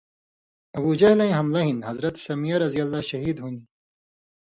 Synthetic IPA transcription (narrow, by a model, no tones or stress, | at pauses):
ɐbud͡ʑɐhlɐ̃j̃ɦɐmlɐɦinhɐzɾɐt̪sɐmijɐɾɐzijɐlːaʃɐɦiːd̪ɦuni